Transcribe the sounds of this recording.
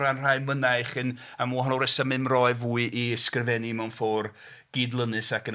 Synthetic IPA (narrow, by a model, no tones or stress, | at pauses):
ɾanr̥ajmənajχɨn | amuɦɔnɔrɛsamɨmrɔɨvuːɨʔiskrɪvɛnimawnfɔːr | ɡ̥iːdlˠənɨsakən